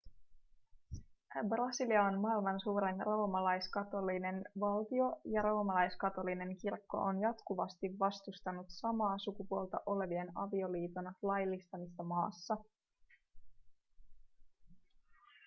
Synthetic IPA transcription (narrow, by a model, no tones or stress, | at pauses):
brɑsiliɑnmɑilmɑnsuːɾe̞nro̞ːmɑlɑjskɑt̪o̞line̞nʋɑlt̪io̞jɑɾo̞ːmɑlɑjskɑt̪o̞line̞ŋkirkːo̞̰ʔonjɑt̪kuʋɑst̪iʋːɑst̪ust̪ɑnut̪sɑmɑːsukupuolˠt̪ɑʔo̞le̞ʋie̞nɑ̰ʋio̞liːt̪onɑlɑjlːist̪ɑmisːɑmɑːsːɑ